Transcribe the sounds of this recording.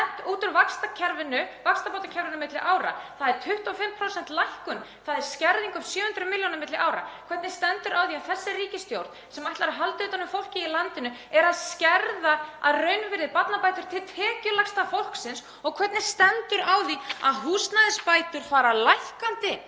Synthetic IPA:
ht̪uːt̪ʏɾvakst̪acʰɛɾvɪnʏvakst̪apowt̪acʰɛɾvɪnʏmɪt̪lɪʔaːwɾa̰θaðɛɾt̪ʰʏht̪ɔfɪmpʰɾowsɛn̥t̪lajhkʏnθaðɛɾ̥scɛɾðiŋkamsjœːhʏnt̪ɾʏmɪljownaɾmɪt̪lɪʔaːwɾa̰kʰvɛt̪nɪst̪ɛnt̪ʏɾawðiaðθɛsːɪriːcɪst̪jowɾt̪sɛmajht̪laɾaɦalt̪ʏːt̪anʏmfowl̥cɪilant̪ɪnʏ | ɛɾaðscɛɾðaa̰ðrœɥnvɪɾðɪpat̪napajt̪ʏɾ̥t̪ʰɪlt̪ʰɛːcʏlakst̪afowl̥ksɪns | ɔɣkʰvɛt̪nɪ̥st̪ɛnt̪ʏɾawðiaðɦuːsnaðɪspaːjt̪ʏɾ̥faːɾalajhkant̪ɪ

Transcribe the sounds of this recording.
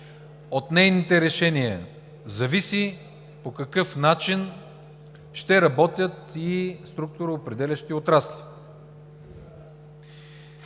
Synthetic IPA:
ot̪nɛjnit̪ɛɾɛʃɛniɐ | zɐvisi | pokɐkɤfnat͡ʃin | ʃt̪ɛɾɐbɔt̪ʲjət̪ist̪ɾuk̚t̪ʊɾɐopɾɛd̪ɛlʲɐʃt̪iot̪ɾaslʲi̥

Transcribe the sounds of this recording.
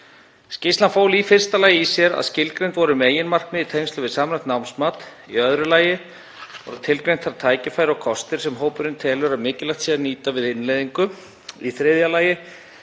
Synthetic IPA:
scɪst̪lanfoːwlifɪr̥st̪alaːjɪisjɛɾa̰ðscɪlkɾejnt̪vɔɾʏmeːjɪnmar̥kmɪðit̪ʰejmst̪lʏvɪðsaːmɾḁt̪nawnsmaːt̪ | ḭœðɾʏlaːjɪ | vɔ̰ɾʏt̪ʰɪlkɾejnt̪θaɾt̪ʰaːjcɪfajɾɪɔkʰɔst̪ɪɾ̥sɛmɦoːwpʏɾɪnt̪ʰɛːlʏɾaðmɪːcɪlajxt̪sjɛɾniːt̪avɪðɪnlejðiŋkʏ | iθɾɪðjalaːjɪ

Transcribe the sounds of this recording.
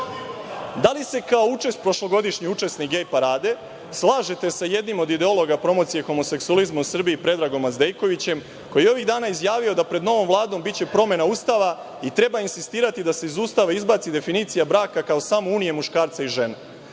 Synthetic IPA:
d̪alise̞kao̞ut͡ʂe̞st̪̚pɾo̞ʃlˠo̞ɡo̞d̪iʃɲiut͡ʂe̞snikɡejpaɾaːd̪e̞ | slˠaːʒet̪e̞saje̞d̪nimo̞d̪id̪eo̞lˠo̞ɡapɾo̞mo̞t̪sije̞xo̞mose̞ksuolizmausr̩biipɾe̞d̪ɾaːɡo̞mazd̪e̞jko̞ʋit͡ɕe̞m | ko̞jijeo̞ʋiɣd̪aːnaizjaːʋio̞d̪apɾe̞d̪no̞ʋo̞mvlˠaːd̪o̞mbit͡ɕe̞pɾo̞me̞nauːst̪aʋa | it̪ɾe̞bainsist̪iːɾat̪id̪ase̞izuːst̪aʋaizbaːt̪sid̪e̞finiːt̪sijabɾaːkakaosaːmouːnije̞muʃkaːɾt̪saiʒe̞ne

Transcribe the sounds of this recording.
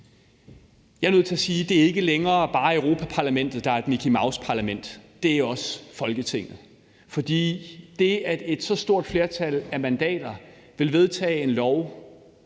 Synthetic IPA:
jɑ̈ɪnøð̩̰ˠt͡sʰe̝æsiːd̥e̝æɐe̝ɡ̥əleŋɐːb̥ɑ̈ːeʊʁo̝pʰæpʰɑ̈læmen̰d̥ð̞̩ˠd̥ɑ̈æɐe̝d̥mikʰimɑ̈ʊspʰɑ̈læmen̰d̥ː | e̝æɒ̽sfɒ̽lɡ̥ət͡sʰe̝ŋ̰ð̩ˠ | fɒ̽d̥ḭːd̥e̝æd̥e̝d̥sɒ̽sd̥o̝ɐ̰d̥fle̝ɐt͡sʰælæmænd̥ɛ̰ːd̥ɐ | ʋe̝lʋe̝ð̞ˠt͡sʰɛ̰ːe̝nlɒʊ

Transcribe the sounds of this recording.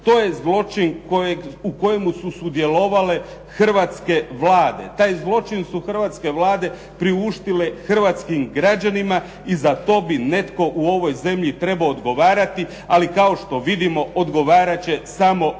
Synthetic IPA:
t̪o̞ːje̞zlˠo̞t͡ʃinkoeuko̞je̞mususud̪je̞lo̞ʋale̞ | xr̩ʋat̪ske̞ʋlaːd̪e̞̰t̪aːjzlˠo̞t͡ʃinsuxr̩ʋat̪ske̞ʋlaːd̪e̞ | pɾiuʃt̪ile̞xr̩ʋat̪skimɡɾad͡ʑanima | izat̪o̞ːbine̞t̪ko̞ʔuo̞ʋo̞jze̞mʎit̪ɾe̞baoːd̪ɡo̞ʋaːɾat̪i | alikao̞ʃt̪o̞ʋid̪imo̞od̪ɡo̞ʋaːɾat͡ɕe̞samo̞

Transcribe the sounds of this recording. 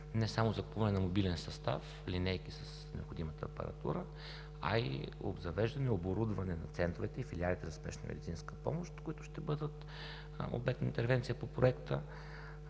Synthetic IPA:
nɛsamozɐkupuvɐnɛnɐmobilɛnsɐst̪a̰f | linɛjkisəs | nɛo̰pxod̪imət̪əːpɐ̰ɾɐ̰t̪ṵɾə | ɐ̰ḭo̰bzɐvɛʒd̪ɐnɛoboɾud̪vɐnɛnɐt̪sɛnt̪ɾovɛt̪ɛifilialit̪ɛzɐspɛ̰ʃnɐmʔɛ̰d̪it̪sinskə̥pɔ̰moʃt̪kʊit̪ʊ̥ʃt̪ɛbɤd̪ət̪ | o̰bɛk̚t̪nɐint̪ɛɾvɛnt̪sijəpopɾoɛkt̪ə

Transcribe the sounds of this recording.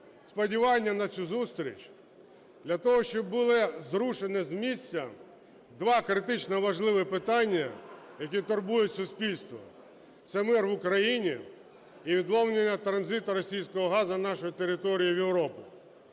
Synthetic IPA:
spɔdʲiʋɑnʲːɐnɐt͡sʲuzust̪ɾʲḭt͡ʃʲ | d̪lʲɐt̪ɔɦɔʃt͡ʃɔbːʊlˠɪzɾuʃenɪzmʲisʲt͡sʲːɐ | d̪ʋɑkɾɪt̪ɪt͡ʃnɔʋɐʒlˠɪʋɪpɪt̪ɑnʲːɐjɐk̬ʲit̪ʊrbujʊtʲsʊsʲpʲilʲst̪ʋɔ̰ | t̪sɛmɪrʋʊkɾɐjinʲiː | ʋʲid̪lˠɔwnʲenʲːɐt̪ɾɐnzɪt̪ɐɾɔsʲijsʲkɔɦɔɦɑzɐnɑʃɔjit̪eɾɪt̪ɔɾʲijiʋjewɾɔpɪ

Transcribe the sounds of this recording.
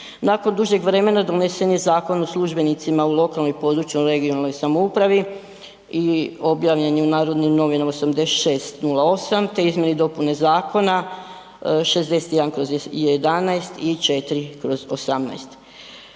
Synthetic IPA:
naːko̞nd̪uʒɲe̞ɡʋɾe̞me̞nad̪one̞se̞nje̞zaːko̞noslˠuʒbe̞nit̪simaulˠo̞kalˠno̞jpo̞d̪ɾut͡ɕjuɾe̞ɡionalˠno̞jsamoupɾaʋi | io̞bjaːʋʎenjeunaːɾo̞d̪nimno̞ʋinamosamd̪eʃe̞ːst̪nulˠao̞samt̪e̞izmje̞nid̪o̞pune̞zaːko̞na | ʃe̞zd̪e̞se̥t̪jed̪ankɾo̞zjed̪anajst̪it͡ʃe̞t̪iɾikɾo̞zo̞samna̰jst̪

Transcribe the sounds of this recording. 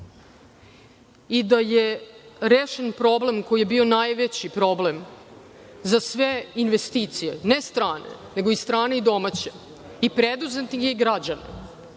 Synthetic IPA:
id̪ajeɾeːʃenpɾo̞ble̞mko̞ijebio̞najʋet͡ɕipɾo̞blem | zasʋeinʋest̪it̪sijenest̪ɾaːnḛneɡoist̪ɾaːneid̪o̞mat͡ɕe | ipɾed̪uzet̪niɡeɡɾad͡ʑanḛ

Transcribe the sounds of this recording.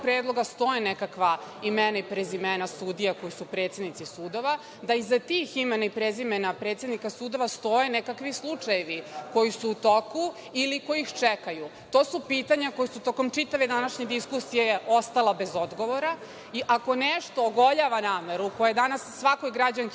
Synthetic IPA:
pɾeːd̪lˠo̞ɡast̪o̞jenekakʋaimenaipɾezimenasuːd̪ijako̞jisupɾe̞ːt̪sjed̪nit̪sisuːd̪o̞ʋa | d̪aizat̪iximenaipɾezimenapɾet̪sjed̪nikasuːd̪o̞ʋast̪o̞jenekakʋislˠut͡ʂajeʋiko̞jisuːt̪oku | iliko̞jixt͡ʃekaju | t̪o̞ːsupiːt̪aɲako̞jisut̪o̞ko̞mt͡ʂit̪aʋe̞d̪anaʃɲed̪iskusijejeʔost̪alabe̞zo̞d̪ɡo̞ʋo̞ɾa | iʔako̞neʃt̪o̞ːɡo̞ʎaʋanaːmeɾuuko̞jed̪anasːʋako̞jɡɾad͡ʑaŋk

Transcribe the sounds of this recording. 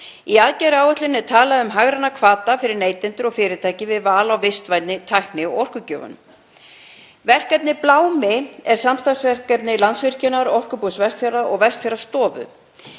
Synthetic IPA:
iaðcɛɾɪaːwɛt̪lɪnːɛ̥t̪ʰaːlaðʏmɦaɣɾanːakʰvaːt̪afɪɾɪɾneːjt̪ɪnt̪ʏɾɔɣfɪːɾɪt̪ʰaːjcɪvɪðvaːlawvɪst̪vajt̪nɪt̪ʰajhknɪɔ̰ɔr̥kʏcœːvʏ̰nʏ̰m | vɛr̥kvɛp̪nɪplaːwmɪɛɾ̥samst̪asvɛr̥kvɛt̪nɪlant̪svɪr̥cɪnaɾɔwr̥kʏpusvɛr̥t̪fjaɾaɔɣvɛst̪fjaɾast̪ɔːvʏ̰

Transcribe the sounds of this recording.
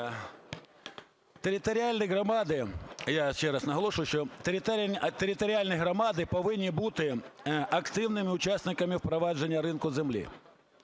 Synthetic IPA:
t̪eɾʲɪt̪ɔɾʲɪalʲnɐjɣɾɐmɑd̪ɪjaʃt͡ʃɛɾɐsnɐɦɐlˠɔʂʊjʊʃt͡ʃɔt̪t̪t̪eɾʲɪt̪ɔɾʲɪalʲnɪjɦɾɐmɑd̪ɪpɔʋɪnʲːibut̪ɪɐkt̪ɪwnɪmɪʊt͡ʃasʲnɪkɐmʲɪwpɾɔʋɑʒenʲːɐɾɪnkʊzemlʲḭ

